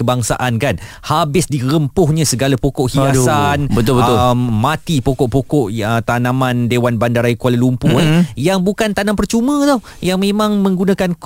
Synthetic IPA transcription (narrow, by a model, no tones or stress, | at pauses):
əbaŋsa̰ʔankan | habɪsdiɾəmpʊhɲãsəɡalapɔkɔʔhiasanət̪bəmːãt̪ipɔkɔʔpɔkɔʔət̪anãmãndewanbandaɾaikalalumpujaŋbukant̪anampərt͡ʃumə̃d̪ɔh | jaŋmẽmãŋmə̃ŋɡunãkank